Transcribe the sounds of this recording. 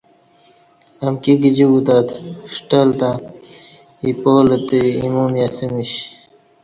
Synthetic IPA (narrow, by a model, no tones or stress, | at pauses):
ɐmkiɡid͡ʑiɡut̪at̪ʂʈalt̪a | ipoːlət̪eimumjasimiɕ